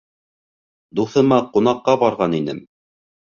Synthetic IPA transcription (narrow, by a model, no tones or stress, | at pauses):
d̪uθɤ̆mɑqun̪ɑqːɑbɑɾʁɑninɘm